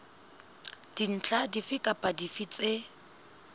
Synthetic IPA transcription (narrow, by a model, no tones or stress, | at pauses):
d̥in̩t͡ɬʼadifɪkʼapʼadifit͡sʼe